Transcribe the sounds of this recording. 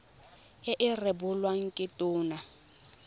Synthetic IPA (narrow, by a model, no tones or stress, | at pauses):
eʔɪrɪbʊlwaŋ̩kʼɪtʼuːna